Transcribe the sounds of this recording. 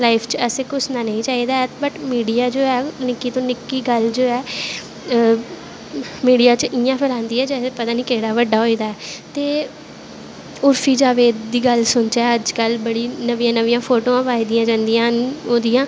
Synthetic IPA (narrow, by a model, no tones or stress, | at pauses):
laːipʰt͡ʃəseːkʊsnaːnəĩːt͡ʃaːiːd̪aːɛbəʈmiːɖijaːd͡ʒoːɛːnɪkːiːt̪õːnɪkːiːɡəld͡ʒoːɛː | miːɖijaːt͡ʃəʔɪjãːpʰəlãːnd̪iːɛːd͡ʒɛːsepət̪aːniːkeːɽaːʋəɖaːɦoːiːd̪aːɛːt̪eː | ʊɾfʰiːd͡ʒaːʋeːd̪iːɡəlsʊnt͡ʃɛːəd͡ʒkəlbəɽiːnəʋijãːnəʋijãːpʰoːʈoːãːpaːiːd̪ijãːd͡ʒãːnd̪ijãːɦnoːd̪ijãː